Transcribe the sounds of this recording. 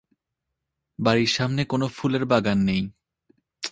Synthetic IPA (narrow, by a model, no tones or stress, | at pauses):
baɾiɾʃamnekonofuleɾbaɡanːej